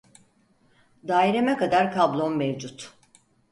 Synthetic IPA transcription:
d̪aːjiɾemɛkad̪aɾkʰablˠonmevd͡ʒut̪

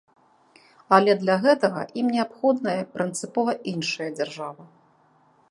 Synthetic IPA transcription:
alʲɛd̪lʲaɣɛt̪ɐɣɐ̰ʔimnʲɛapxɔd̪nɐjɐpɾɨnt̪sɨpɔvɐʔinʂɐjɐd͡zʲarʐavɐ

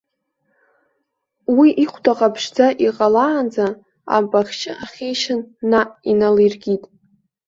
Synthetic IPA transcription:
wiʔiχʷdaqʼapʰʂd͡zaʔiqʼalaːnd͡za | a̰mpʼaχʲt͡ʃʰʼɪʔaχʲejʃɪnːainalirɡʲitʼ

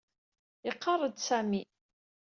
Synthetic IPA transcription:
ɪqːɑrˤəd̪sæmi

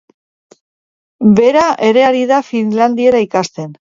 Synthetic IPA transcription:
be̞ɾaʔe̞ɾe̞aɾið̞afinland̪ie̞ɾaikast̪e̞n

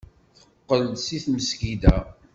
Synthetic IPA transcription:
θə̥qːəlsiθməskid̪æ

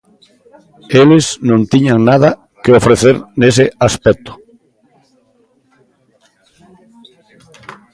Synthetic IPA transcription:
eleznõnt̪iɲaŋnað̞a | keofɾeθeɾnes̬easpɛk̚t̪o̥

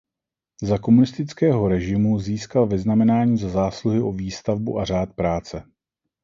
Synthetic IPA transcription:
zako̞munɪst̪ɪt͡skɛːɦo̞ɾɛʒɪmuziːskalvɪznamɛnaːɲiːzazaːsluɦɪʔo̞viːst̪avbuʔar̝aːt̪pɾaːt͡sɛ

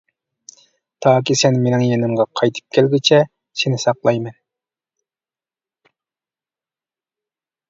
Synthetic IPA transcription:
t̪ʰɑːk̬ʲisɛnmenɪŋjenɪmʁɑqʰɑjt̪ʰɨ̥p̚kʲʰɛlɡʲit͡ʃʰɛ | senɪsɑqlˠɑjmɛn

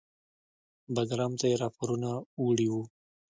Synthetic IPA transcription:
baɡɾɑmt̪ajeɾɑpoɾunauɽiwu

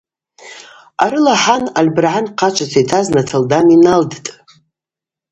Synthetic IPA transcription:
aɾɨlaħanalʲbrʕanqʰat͡ʃʷʰat͡sʰajtʰaznatʰaldaninaldtʼ

